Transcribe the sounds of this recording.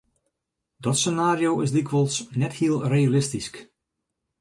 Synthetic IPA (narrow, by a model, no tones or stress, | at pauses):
dɔtsənaːɾjowɪsdikʋəlˠsnɛthiəlˠrejalɪstisk